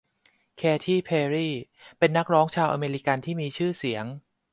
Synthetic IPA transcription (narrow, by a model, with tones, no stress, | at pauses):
kʰɛː˧t̪ʰiː˥˩pʰeː˧ɾiː˥˩ | pe˧nːa˦˥k̚ɾɔː˦˥ŋt͡ɕʰaː˧wʔa˧meː˧ɾi˦˥ka˧nt̪ʰiː˥˩miː˧t͡ɕʰɯː˥˩si˩˦əŋ